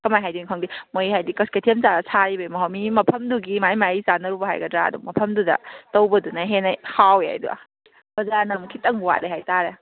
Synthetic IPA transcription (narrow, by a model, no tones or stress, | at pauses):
kɐmajɦajdinkʰɐŋdimojhajdikɐsketʰemt͡ʃaɾɐsʰaɾibɐjmɐɦamimɐpʰɐmduɡimajmaizanɐɾubɐɦa̰jɡɐdɾaɐ̰dṵmɐpʰɐmdudɐ̰tɐwbɐdunaɦenajhawea̰jdṵa̰ | b̥ɐzaɾnɐmkʰitɐŋwa̰deɦajtaɾe